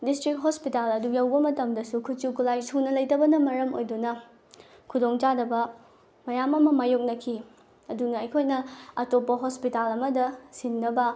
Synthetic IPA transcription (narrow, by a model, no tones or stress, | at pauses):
distɾik̚ɦospitalɐdujawbɐmɐtɐmdɐsukʰut͡ʃukʰulajsunɐlɐjtɐbɐnɐmɐɾɐmo̰jdunɐ | kʰudoŋt͡ʃadɐbɐ | mɐjamɐmɐmajuk̚nɐkʰi | ɐdunɐɐjkʰojnɐɐtopːɐɦospitalɐmɐdɐsinːɐbɐ